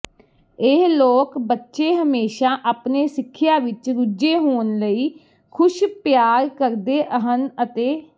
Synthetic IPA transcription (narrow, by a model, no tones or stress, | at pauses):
ɪɦloːkbətːʃeːɦəmeːʃaːʔaːpneːsɪkʰːɪjaːʋɪt͡ʃɾʊd͡ʒeːɦoːnləiː | kʰʊʃpjaːɾkəɾd̪eːʔəɦənət̪eː